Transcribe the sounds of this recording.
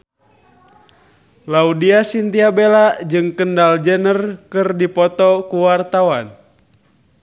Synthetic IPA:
laudiasint̪iabelaʔd͡ʒɨŋkəndald͡ʒənərkɨrdipɔt̪ɔkuwart̪awan

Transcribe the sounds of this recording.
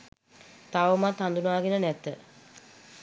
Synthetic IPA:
t̪aʋəmat̪hand̪unuaːɡenənɛt̪ə

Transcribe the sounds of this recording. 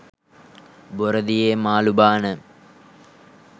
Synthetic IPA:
boɾɐd̪ijemaːlubaːnɨ

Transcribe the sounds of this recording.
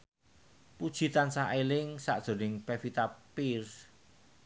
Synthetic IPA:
pud̥ʒ̥i̤t̪ansaʔelɪŋsa̰ʔd̥ʒ̥o̤nɪŋpɛfit̪apirs

